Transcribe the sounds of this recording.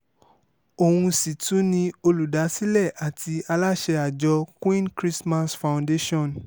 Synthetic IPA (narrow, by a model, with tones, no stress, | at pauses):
o˨hũ˧si˨tũ˨˦nĩ˧o˧lu˨da˨˦si˦lɛ˦˨ʔa˨tʰi˧a˧la˦ʃɛ˧a˨d͡ʒɔ˧kwĩ˦nkɾi˦sma˦sfã˧w̃nde˦ʃɔ̃˦˨n